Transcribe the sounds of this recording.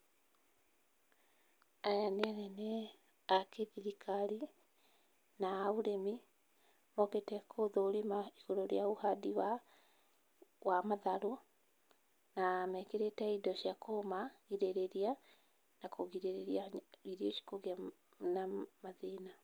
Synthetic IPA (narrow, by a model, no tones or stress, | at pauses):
ajaneanɛnɛ | akeðiɾikaɾi | naːuɾemi | mɔketɛkʰoðoːɾimaiɣoɾoɾeauhadiwa | wamaðaɾo | namɛkeɾetɛidɔʃiakomaɣiɾeɾeɾia | nakoɣiɾeɾeɾiaɣiɾioʃi̥koɣia | namaðena